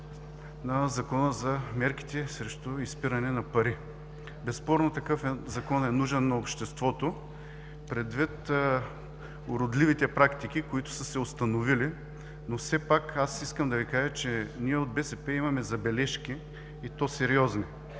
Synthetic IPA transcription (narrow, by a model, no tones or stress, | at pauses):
nɐzɐkɔnəzɐmɛɾki̥t̪ɛsɾɛʃt̪ʊispiɾɐnɛnɐpɐɾi | bɛspɔɾnot̪ɐkɤfɛzɐkɔnɛnuʒɛnːɐopʃt̪ɛst̪vɔt̪o | pɾɛd̪vit̪ | ʊɾʊd̪livit̪ɛpɾakt̪ik̟ikʊit̪ʊ̥səsɛost̪ɐnovili | nofsɛpakasiskəmd̪ɐvikaʒət͡ʃɛniɛod̪̚bɛsɛpɛimɐmɛzɐbɛlɛʃkʲiː | t̪osɛɾiɔzni